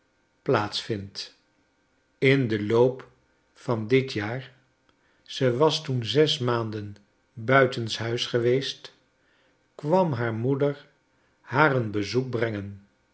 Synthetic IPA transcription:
plaːtsfɪnt | ɪndəlowp | fɑndɪtjaːr | z̥əʋɑstunzɛsmaːndən | bœɥtənsɦœɥsχəʋejst | kʋɑmɦaːɹmudəɹ | haːrənbəzuk̚brɛŋən

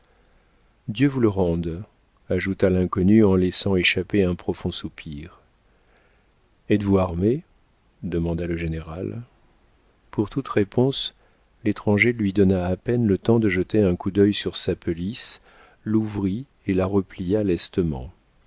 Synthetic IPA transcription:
d̪jøvuləʁɑ̃d̪ | aʒut̪alɛ̃kɔnyɑ̃lɛsɑ̃eʃapeɛ̃pχɔfɔ̃supʰiʁ | ɛt̪vuaʁme | d̪əmɑ̃d̪aləʒeneʁal | puʁt̪ut̪ʁepɔ̃s | let̪χɑ̃ʒelɥid̪ɔnaːpɛnlət̪ɑ̃d̪əʒət̪eɛ̃kud̪œjsyʁsapɔlis | luvʁi | elaʁəplijalɛst̪əmɑ̰̃

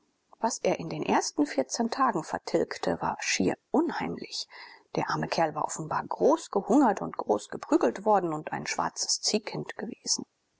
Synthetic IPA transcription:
v̥asʔeːɐʔɪndeːnʔḛːɐstn̩fɪɐt͡sɛntʰaːɡŋ̩fɛɐtʰɪlktʰəva̰ːɐʃiːɐʔʊnhaɪmlɪçd̥eːɐʔaɐməkʰɛɐlvaːɐʔɔfn̩baːɐɡʁoːsɡ̥əhʊŋɐtʰʊntɡ̥ʁoːsɡ̥əpʁ̥yːɡl̩tv̥ɔɐdn̩ʊntʔa̰ɪnʃv̥a̰ɐt͡sə̥st͡siːkʰɪntɡ̥əveːz̥n̩

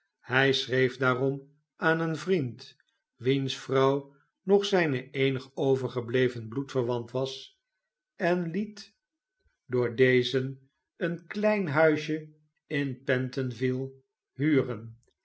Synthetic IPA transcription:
hɛjsrejfdaːrɔm | aːnənvrint | ʋinsfrɑw | nɔχsɛjnəejnəχowvəɹχəblejvənblutfəɹʋɑntʋɑs | ɛnlit | dʊːɹdejzən | ənklɛjnɦœɥʃə | ɪnpɛntənvilˠ | ɦyːrən

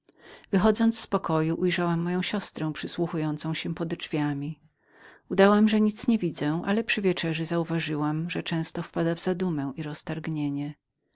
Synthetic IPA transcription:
vɘxɔd̪zɔnt̪sspɔkɔjuʔujʐawamːɔjɔ̃w̃ɕɔst̪ɾɛ̃w̃pʂɘswuxujɔnt̪sɔ̃w̃ɕɛpɔd̪d͡ʐvʲjamʲi | ud̪awamʐɛɲit̪sɲɛvʲid̪zɛ̃ʔa̰lɛpʂɘvʲjɛt͡ʂɛʐɛzauvaʐɘwamʐɛt͡ʂɛ̃w̃st̪ɔfpad̪avzad̪umɛ̃w̃iɾɔst̪aɾɡɲeɲɛ

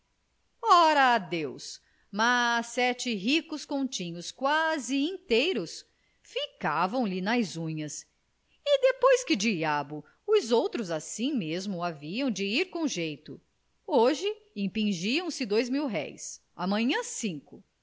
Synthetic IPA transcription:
ɔɾɐːd̪ews | masɛt͡ʃɪɦikʊskõt͡ʃĩɲʊskwazɪĩt̪ejɾʊs | fikavɐ̃w̃lɪnɐjzũɲɐs | ɪd̪epojskɪd͡ʒiabʊ | ʊzowt̪ɾʊzasĩmezmʊaviɐ̃w̃d͡ʒɪiɾkõʒejt̪ʊ | oʒɪĩpĩʒiɐ̃w̃sɪd̪ojzmiwɦɛ̰js | amɐ̃ɲɐ̃sĩŋkʊ

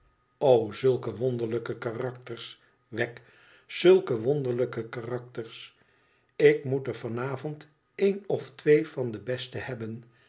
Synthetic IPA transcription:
owzɵlˠkəʋɔndəɹləkəkaːrɑk̚təɹs | ʋɛk | z̥ɵlˠkəʋɔnd̪əɹləkəkaːrɑk̚təɹs | ɪkmutəɹvɑnaːvɔnt | ejnɔftʋejfɑndəbɛstəhɛbən

